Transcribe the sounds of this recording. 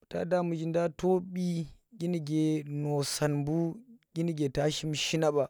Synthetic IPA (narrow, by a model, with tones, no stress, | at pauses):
ta̰˦da˦mu˨d͡ʒi˦nda˦to˦ɓi˦ɡʲi˦ni˨ɡʲe˨no˨sa˨nbu˦ɡ̥ʲi˦ni˦ɡʲe˨ta˦ʃi˦mʃi˦na˦ba˨